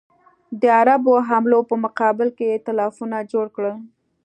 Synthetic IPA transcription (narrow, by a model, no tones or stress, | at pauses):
d̪əaɾaboɦamlopəmʊqɑbɪlkejet̪alɑfunad͡ʒoɽkɽəl